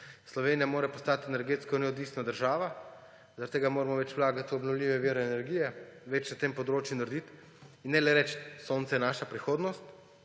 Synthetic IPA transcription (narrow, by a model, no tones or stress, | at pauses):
slɔʋeːnijamoːɾɛpɔst̪aːt̪ɛnɛɾɡeːt̪skɔnɛɔd̪ʋiːsnad̪əɾʒaːʋa | zɐaɾat̪ːeːɡamoːɾamɔʋɛt͡ʃwlaːɡat̪iɔbnɔwlʲiːʋɛʋiːɾɛːnɛɾɡijɛʋɛt͡ʃnat̪empɔd̪ɾoːt͡ʃjunaɾd̪it̪ | inːɛlɛɾɛt͡ʃsoːnt̪sɛjɛnaːʃapɾixoːd̪nɔst̪